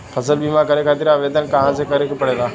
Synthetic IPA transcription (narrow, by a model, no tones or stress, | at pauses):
pʰɐsəlbimãkɐɾekʰaːt̪ɪɾaʋeːd̪ənkɐ̃ɦãsekɐɾekpəɽeɡ̪aː